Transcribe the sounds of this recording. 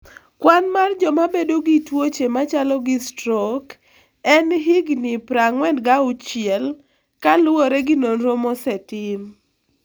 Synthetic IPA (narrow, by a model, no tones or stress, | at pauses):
kwanmard͡ʒɔmabedoɡitwot͡ʃemat͡ʃalɔɡɪstɾɔk | ɛnɦɪɡnɪpɾaŋwɛndɡaʊt͡ʃɪɛl | kalwoɾɛɡɪnonɾomɔsɛtɪm